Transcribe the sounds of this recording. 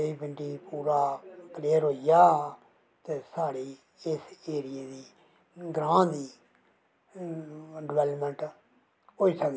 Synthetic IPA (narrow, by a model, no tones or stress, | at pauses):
eiːbɪ̃ɳʈiːpuːɾaːkleːəɾɦoːijaː | t̪eːsaːɽiː | ɪseːɾɪjeːd̪iː | ɡɾãːd̪iː | ɖɪʋɛːləpmɛ̃ɳʈ | ɦoːiːsəkd̪i